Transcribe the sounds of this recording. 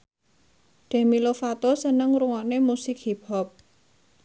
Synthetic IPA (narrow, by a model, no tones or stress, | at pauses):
ɖ̪̥a̤milofat̪osənəŋɾuŋɔnemusɪkhipɔp̚